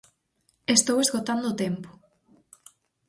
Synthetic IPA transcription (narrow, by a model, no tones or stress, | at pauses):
est̪owezɣot̪and̪ʊːt̪ɛmpʊ̥